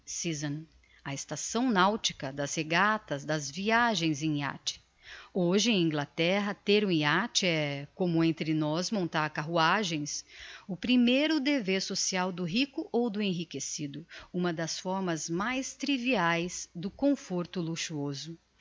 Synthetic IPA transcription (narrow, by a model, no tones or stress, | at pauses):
sizɐ̃ | ɐɪst̪asɐ̃w̃nawt͡ʃi̥kɐd̪ɐzheɡat̪ɐzd̪ɐzviaʒẽj̃zẽj̃a̰t͡ʃɪ̥ | oʒɪẽj̃ĩŋɡlat̪ɛɦɐt̪eɾũẽat͡ʃɪɛkõmʊẽnt̪ɾɪnɔzmõnt̪aɾkaɦuaʒẽj̃sʊpɾimejɾʊd̪eveɾsosiawd̪ʊɦikʊʔowd̪ʊẽɦikesid̪ʊũmɐd̪ɐsfɔɾmɐzmajst̪ɾiviajzd̪ʊkõfoɾt̪ʊluʃuozʊ